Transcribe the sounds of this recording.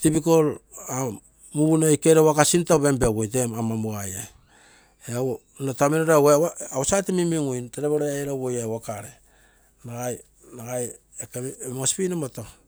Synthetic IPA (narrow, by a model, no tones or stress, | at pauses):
tibikola | muɡunojkeɾewakasintaβembewojtemamamuajaj | eao | nataminoɾaweawosatemimiŋujnteɾeβoɾeajɾawojawakaɾe | naɡaj | naɡaj | ekemospinomato